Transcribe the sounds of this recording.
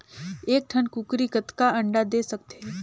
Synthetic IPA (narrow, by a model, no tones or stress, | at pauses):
eːk̚ʈʰənkukɾikət̪kaəɳɖad̪esək̚t̪e